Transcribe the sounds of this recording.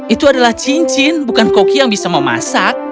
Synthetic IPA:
it̪uadalaht͡ʃiɲt͡ʃɪnbukankokijaŋbisaməma̰sak̚

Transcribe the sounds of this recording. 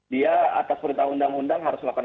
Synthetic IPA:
diaa̰t̪aspəɾint̪aundaŋundaŋɦaɾʊsmakan

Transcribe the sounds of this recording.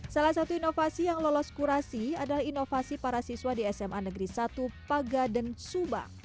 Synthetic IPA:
salahsat̪uinofasijaŋlɔlɔskuɾasiadalahinofasipaɾasiswadiɛsɛmʔanəɡɾisat̪upaɡadənsuba̰h

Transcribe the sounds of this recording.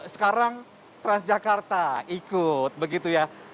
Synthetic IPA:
sə̥kaɾaŋ | t̪ɾansd͡ʒakart̪aikʊt̪̚bəɡit̪uja

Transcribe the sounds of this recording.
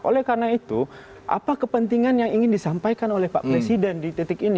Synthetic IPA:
ʔo̰lɛhkarnait̪u | ʔa̰pakəpənt̪iŋanjaŋiŋɪndisampajkanolɛhpa̰ʔpɾesidɛndit̪ɛt̪ɪkini

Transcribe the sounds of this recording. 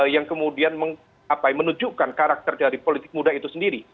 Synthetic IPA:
jaŋkəmudianməŋ | apajmənud͡ʒukankaɾak̚t̪ərdaɾipolit̪ɪk̚mudaɦit̪usəndiɾi

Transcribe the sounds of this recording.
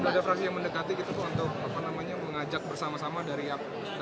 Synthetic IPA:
badafɾaksijaŋməndəkat̪ikit̪ut̪ʊhunt̪ʊk̚apanamaɲaməŋad͡ʒak̚bərsamasamadaɾiap

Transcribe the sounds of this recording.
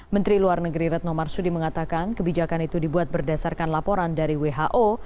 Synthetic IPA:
mənt̪ɾiluarnəɡɾiɾɛt̪̚nɔmarsudiməŋat̪akankəbid͡ʒakanit̪udibuat̪̚bərdasarkanlapoɾandaɾiweɦaʔo

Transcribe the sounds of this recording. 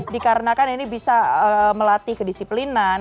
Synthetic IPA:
dikaɾənakaninibisaəməlat̪ihkədisiplinan

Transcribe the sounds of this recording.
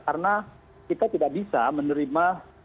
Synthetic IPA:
kaɾəna | kit̪at̪idaʔbisamənəɾima

